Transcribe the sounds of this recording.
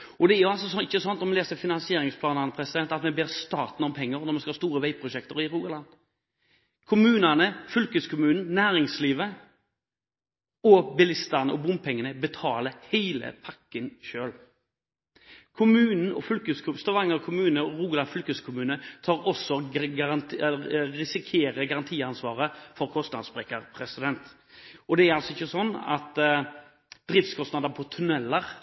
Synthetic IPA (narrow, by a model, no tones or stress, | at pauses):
ɔd̪ɛæjʊals̬ɔsɔɪçːəsɔnt̪nɔmɛleːsfɪnɑnsɪeːɾɪŋspʰlɑːnəʁnəpʰɾɛsɪd̪ɛnt̪ɑt̪mɛbeːʁst̪ɑːt̪n̩ɔmpʰɛŋːəɾnɔʁmɛnskɑhɑːst̪uːɾəʋæɪpʰɾʊʃɛkt̪əɾɪɾuːɡəlɑnd̪ | kʰʊmʉːnənəfʏlkəskʰʊmʉːnn̩næːɾɪŋsliːʋə | ɔbɪlɪst̪əʁnəʔɔbʊm̚pʰɛŋːənəbɛt̪ʰɑːləhæɪlə̰pʰɑkːənʃøːl | kʰʊmʉːnn̩ɔ̰fʉlkʉskʰʊst̪ɑʋɑŋːəɾɔkʰʊmʉːnəɔʁuːɡlɑnfʉlkʉskʰʊmʉːnət̪ʰɑːɾɔsɔ | ɾɪsɪkʰeːɾəɡɑʁɑnt̪ʰiːɑnsʋɑːʁəfɔʁkʰɔst̪nɑd̪sbʁɛkːəʁpʰʁɛsɪd̪ɛnt̪ | ɔd̪ɛæɾɑlsɔɪçːəsɔnːɑ̰t̪ | d̪̥ɾiːftskʰɔst̪nɑd̪əʁpʰɔt̪ʰʉnɛlːəʁ